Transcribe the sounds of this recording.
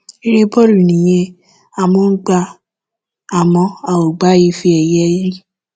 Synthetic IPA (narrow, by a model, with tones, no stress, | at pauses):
i˦ɾe˦bɔ˦ɾu˨nĩ˨j̃ɛ̃˧ | a˨mõ˦ɡ͡ba˧ | a˨mɔ̃˧a˨o˨ɡ͡ba˨˦ji˦fi˧˦ɛ˨jɛ˦ji˦